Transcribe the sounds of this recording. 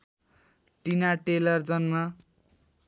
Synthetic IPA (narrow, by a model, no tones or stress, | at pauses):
ʈinaʈelʌrd͡zʌnma